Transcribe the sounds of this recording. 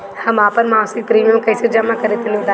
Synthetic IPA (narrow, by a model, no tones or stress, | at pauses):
hɐmaːpɐɾmãːsɪk̚pɾiːmijə̃mkɐsed͡ʒɐmakɐɾet̪ʰenɪʋd̪a